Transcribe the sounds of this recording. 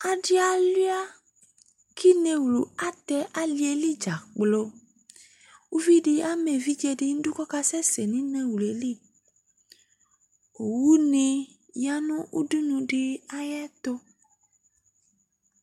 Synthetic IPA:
a˨ɖi˦a˨lu˦a˦ | kʰi˦ne˧wlu˨a˦t̪ɛ˧ʔa˦li˦e˨li˦d͡ʒa˨k͡plo˧ | u˦vi˦ɖi˧a˦mẽ˨vi˦d͡ʒe˦˧di˦n̩˦du˦kɔ˦ka˦sɛ˦se˨nĩ˦nẽ˦wlu˨e˨li˦ | o˨wu˦nĩ˧ | ja˦nɔ̃˦ʔu˦du˦nũ˧ɖi˧a˦jɛ˦t̪o˦

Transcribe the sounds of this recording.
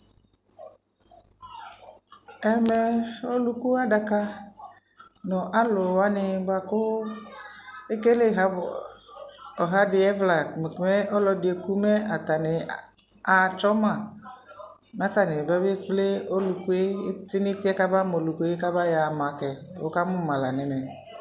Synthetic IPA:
ɛ˦me˨o˦lu˦ku˦a˦ɖa˨ka˦ | nɔ̃˨ʔa˦lo˨wa˦nɪ˨ba˨ko˦ | e˦ke˦le˦ɦa˨˦˨ | o˨ɦa˦dɪ˨ɛ˦vla˨m˨me˦ʔɔ˦lɔ˨dɪ˨e˨ku˦me˦a˨t̪a˨nɪ˨ | a˨t͡ʃɔ˦mã˦˨ | nã˨˦t̪a˨nɪ̃˨ba˦be˦k͡ple˦o˦lu˨ku˦e˦t̪ɪ˦nĩ˦t̪ɪ˦ɛ˦ka˦ba˦mo˨lu˨ku˦e˦ka˦ba˦ja˨mã˨kɛ˨ | wo̰˦ka˦mʊ̃˦mã˨la̰˨nɛ̃˨nɛ̃˨

